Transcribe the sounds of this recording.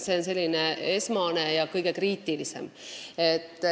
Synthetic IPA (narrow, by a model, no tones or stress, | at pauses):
seonse̞lːineesmɑnejɑkɯjɡekriːt̪ːˑilisḛmet̪ːˑ